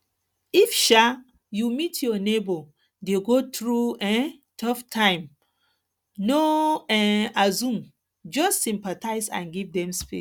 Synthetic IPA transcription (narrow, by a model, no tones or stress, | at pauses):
ifʃa | jumitʰjɔnebo | deɡotɹuɛ̃ | tʰɔftʰãɪ̃m | noɛazũm | d͡ʒɔstsĩmpatʰaɪzã̰nɡivdɛ̃mspḛ